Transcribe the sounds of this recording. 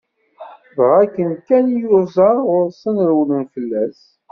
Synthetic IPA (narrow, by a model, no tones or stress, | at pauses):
vʁækːənkænjʊɾzɑʊɾsənɾwlənfəlːæs